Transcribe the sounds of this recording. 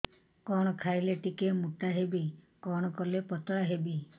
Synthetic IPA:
kɔɽ̃ɔkʰaileʈikemut̪aɦebi | kɔɽ̃ɔkɔlepɔt̪ɔɽaɦebi

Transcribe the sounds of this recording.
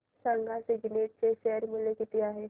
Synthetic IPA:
sə̃ŋɡʱaseɡɪneːʈ̚seʃɛːəɾmɪlekɪt̪ijaɦɛ

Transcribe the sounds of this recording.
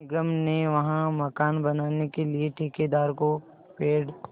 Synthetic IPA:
ɪɡəmneʋɐɦãmɐkaːnbɐnaːnekelieʈʰiːked̪aːɾko | peːɽ

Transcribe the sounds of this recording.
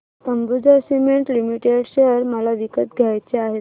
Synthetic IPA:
t̪əmbud͡zəsimeɳʈlimiʈeɽɕejəɾməlaʋikət̪ɡʱjajt͡seaɦe

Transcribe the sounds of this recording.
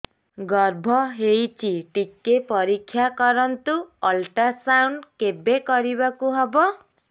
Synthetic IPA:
ɡɔɾbʱɔɦejt͡ʃʰiʈikːepɔɾikʰːjakɔɾɔnt̪uɔlʈasawɳɖkebekɔɾibakuɦɔbɔ

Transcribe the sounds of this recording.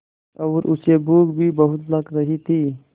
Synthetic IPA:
ɐʋɾʔut͡ʃebuːɡbʱibɐɦʊt̪lɐɡɾɐɦit̪ʰiː

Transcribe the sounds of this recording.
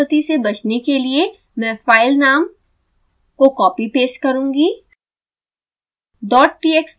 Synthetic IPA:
ət̪isebɐt͡ʃnekelie | mɛ̃ːfaːɪlnaːm | kokɔːpipeːʃkɐɾũːɡi | ɖɔːʈ̚ʈiːeks

